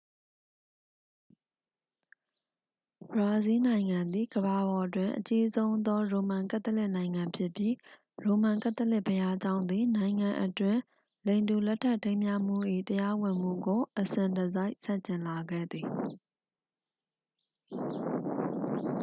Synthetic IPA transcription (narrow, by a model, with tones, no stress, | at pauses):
bɹa˨zi˦nã˨ɪ̃ŋã˨nd̪ði˨ɡəba˨bɔ˨ʔətwɪ̃˨ʔət͡ɕi˦zõ˦ʊ̃nd̪ɔ˦ɹo˨mã˨ŋkã˦t̪ːə˦lɪ˦ʔnã˨ɪ̃ŋã˨mpʰjɪ˦ʔpji˦ | ɹo˨mã˨ŋka˦t̪ə˦lɪ˦ʔpʰəja˦d͡ʑã˦ʊ̃nd̪ði˨nã˨ɪ̃ŋã˨ʔətwɪ̃˨ | lẽ˨ɪ̃ndu˨lɛ˦tʰːa˦ʔtẽ˦ɪ̃mja˦˨m̥ṵ˦˨ʔḭ˦˨təja˦wɪ̃˨m̥ṵ˦˨ɡo˨ʔəsɪ̃˨ndəza˦ɪʔsã˦˨ɲt͡ɕɪ̃˨nla˨ɡɛ̰˦˨d̪ði˨